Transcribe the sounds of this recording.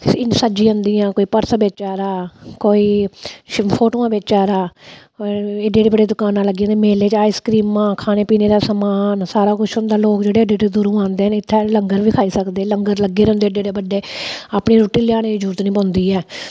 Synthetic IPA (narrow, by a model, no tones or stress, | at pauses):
ɪsad͡ʒĩːə̃nd̪iːãːkoːiːpəɾsbeːt͡ʃaːɾaːkoːiː | pʰoːʈoːãːbeːt͡ʃaːɾaː | eɖeːɾeːbəɖeːd̪ʊkaːnãːləɡːĩːnd̪emeːleːt͡ʃaːiːskɾiːmãːkʰaːneːpiːneːd̪aːsəmaːnsaːɾaːkʊt͡ʃʰɦʊ̃nd̪aːloːkd͡ʒeːɽeːəɖeːɾed̪ʊɾũːãːnd̪eːɛnɪt̪ʰːeːləŋɡəɾʋiːkʰaːiːsəkd̪eːləŋɡəɾləɡeːɾɛ̃ʊnd̪eːəɖeːɖeːbəɖːeːaːpɳiːɾoːʈiːlɪjaːñeːd͡ʒuːɾt̪nĩːpɔ̃ːnd̪iːɛː